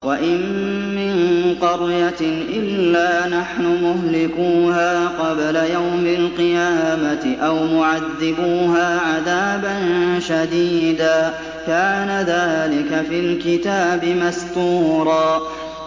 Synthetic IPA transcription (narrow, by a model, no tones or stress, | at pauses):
waʔɪmː | ɪnqɑɾjaʔɪlːaːnaħnʊmʊhlɪkuːɦaːqɑblajawmɪlqɨjaːmat̪ɪʔawmʊʕaðːɪbuːɦaːʕaðaːbanʃad̪iːd̪aː | kaːnaðaːlɪkafilkɪt̪aːbɪmast̪ˤuːɾˤɑː